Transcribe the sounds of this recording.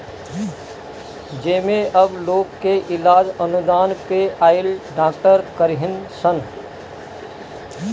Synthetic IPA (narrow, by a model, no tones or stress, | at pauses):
d͡ʒeːmẽʔɐbloːɡkːeʔɪlaːd͡ʒənʊd̪aːnpeʔaːɪlɖãːkʈəɾkəɾɦɪnsən